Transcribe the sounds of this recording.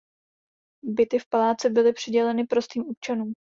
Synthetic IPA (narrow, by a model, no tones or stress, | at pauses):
bɪt̪ɪfpalaːt͡sɛbɪlɪpr̝̥ɪɟɛlɛnɪpɾo̞st̪iːmop̚t͡ʃanuːm